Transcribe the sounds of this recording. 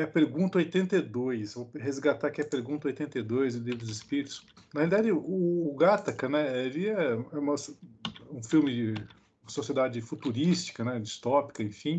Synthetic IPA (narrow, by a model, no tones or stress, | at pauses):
ɛɐpeɾɡũnt̪ɐojt̪ẽnt̪ed̪ojsvoɦezɡat̪akɪɛɐpeɾɡũnt̪ɐojt̪ẽnt̪ejd̪ojzlivɾʊd̪ʊzɪspiɾit̪ʊ̥ʊsnɐhelid̪ad͡ʒɪʊːɡat̪ɐkɐ̃nɛelɪɛɛũmɐsũfiwmɪd͡ʒ | ũmɐsosied̪ad͡ʒɪfut̪uɾist͡ʃi̥kɐnɛd͡ʒist̪ɔpi̥kɐẽfĩ